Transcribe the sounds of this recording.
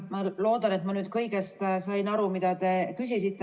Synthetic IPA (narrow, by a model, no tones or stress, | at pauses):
mɑlo̞ːd̪̥ɑne̞t̪mɑnyːd̪̥kɤjɡest̪sɑjnɑɾumid̪̥ɑt̪e̞kysisit̪ːe